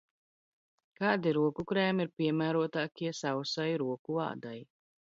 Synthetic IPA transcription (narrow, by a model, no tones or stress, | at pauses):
kaːd̪iɾuɔkukɾɛːmiɾpʲiɛmæːɾuɔt̪aːkʲiɛsawsajɾuɔkua̰ːd̪aj